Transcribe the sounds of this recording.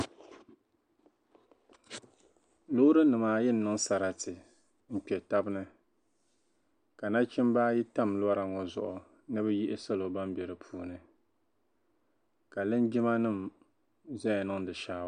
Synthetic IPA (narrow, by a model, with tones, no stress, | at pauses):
lo˦ɾɨ˦nɨ˨maː˨jɛ˦nː˨ɨ˦ŋ˦sa˨ɾa˨tɨ˨ | m̩˦k͡pɛ˨ta˦bɨ˦nɨ˦ | ka˨na˦t͡ʃɪ˦mbaː˦ji˦ta˦˨mlʊ˦a˦ɾa˨ŋɔ˨zʊ̰˨ʔʊ˨ | nɨ˦bɨ˦ji˦ʔɪ˦sa˦lo˨ba˦mbɛ˨ɾɨ˨pʰuː˦nɨ˨ | ka˨lɨ˦nd͡ʒi˦ma˦nɨ˦˨m | zɛ̃˦˨nɨ˦ŋdɨ˨ʃaː˦˨˦